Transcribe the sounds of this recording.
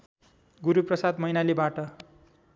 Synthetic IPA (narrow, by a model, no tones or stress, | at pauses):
ɡuɾuprʌsad̪mʌinalebaʈʌ